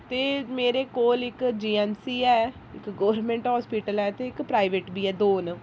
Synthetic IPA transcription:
t̪eːmeːɾeːkoːlɪkd͡ʒiːɛːnsiːɛː | ɪkɡoːɾnmẽːɳʈɦaːspiːʈəlɛːt̪eːɪkpɾaːɪʋeːʈbiːɛːd̪oːn

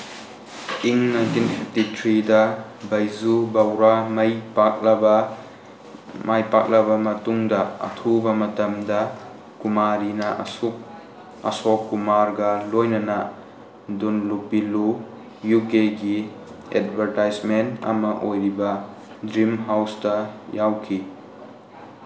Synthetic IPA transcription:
iŋnɐɡinpʰititʰɾidɐbɐjzubawɾamɐjpak̚lɐbɐ | majpak̚lɐbɐmɐtuŋdɐɐ̰tʰubɐmɐtɐmdɐ | kumaɾinɐʔsuk̚ | ɐ̰sɔkːumaɾɡɐlojnɐnɐ | dunluk̚bilu | jukeɡi | ḛd̚bʱɐɾtajzmentɐ̰mɐʔojɾibɐ | dɾimɦawstɐjawkʰi

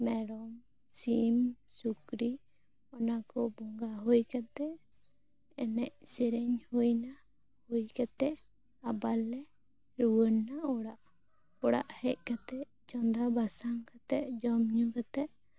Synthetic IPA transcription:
mɛɽɔm | simsukɾi | ɔnakɔbɔŋɡaɦujkat̪ɛʔ | ɛnɛʔsɛɾɛɲhojna | hujkat̪ɛʔ | abalːɛ | ɾuwənːaɔɽaʔ | ɔɽa̰ʔhɛc̚ˀkat̪ɛʔ | d͡ʒɔnd̪abasaŋkat̪ɛʔd͡ʒɔmɲukat̪ɛʔ

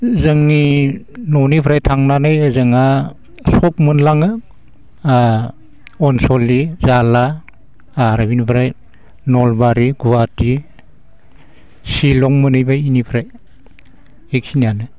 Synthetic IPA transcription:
zɯŋːinɔnipʰɾajtʰaŋnanajzɯŋa | sɔk̚mɯnlaŋɯ | ɔnsɔlizala | aɾabinipʰɾaj | nɔlbaɾiɡuwati | silɔŋmɯnɯjbainipʰɾaj | ek̚sinijanɯ

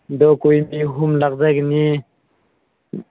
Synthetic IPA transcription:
d̪ɔkujmiɦumlak̚zajkni

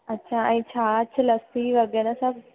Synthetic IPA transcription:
ɐtːɕʰaɛ̃ĩt͡ɕʰaːt͡ʃʰəlɐst̪iʋɐɡenasɐb̚

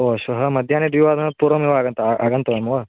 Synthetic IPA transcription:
oʃʋɐɦɐmɐd̪ʱjaːned̪ʋiʋaːd̪ʱɐnɐpuːɾʋɐmiʋɐːɡɐnt̪ɐʔaɡɐnt̪ɐʋɐmɐʋɐ

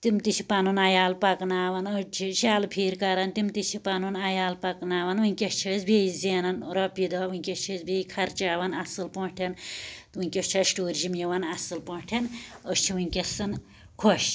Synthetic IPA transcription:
t̪imt̪it͡ʃʰi̥pɐnunajaːlpɐknaːʋɐnət͡ʃʰiʃaːlpʰiːɾkɐɾɐnt̪imt̪it͡ʃʰipɐnunajaːlpɐknaːʋɐnwɨnʲkʲeʃt͡ʃʰesbeizeːnɐnɾɐpid̪ɐːʋunʲkʲeʃt͡ʃʰesbʱeikʰɐɾt͡ʃaːʋɐnɐsɨlpoɳʈʰent̪wɨnʲkʲest͡ʃʰɐʃʈoːɾʒimjiʋɐnɐsɨlpoʈʰenəst͡ʃʰiwɨnʲkʲesɐn | kʰoʃ

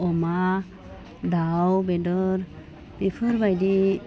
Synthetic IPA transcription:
ɔma | dawbedɔɾ | b̥ipʰɯɾbajdi

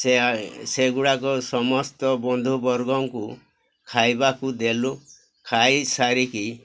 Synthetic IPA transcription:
seseɡuɽakɔsɔmɔst̪ɔbɔnd̪ʱubɔɾɡɔŋku | kʰajbakud̪elu | kʰajsaɾiki

